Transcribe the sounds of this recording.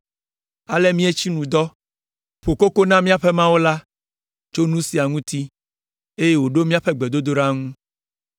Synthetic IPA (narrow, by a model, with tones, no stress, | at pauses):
a˨le˦mĩ˦e˦t͡ɕi˦nũ˨d̪ɔ˦ | ɸo˨ko˦ko˦nã˦mĩ˦a˦ɸe˦mã˦wo˦la˦ | t͡ʃo˦nũ˦si˨a˨ŋũ˦t̪i˦ | e˦je˦wo˨ɖo˦mĩ˦a˦ɸe˦ɡ͡bɛ˨d̪o˦d̪o˦ɖa˦ŋũ˦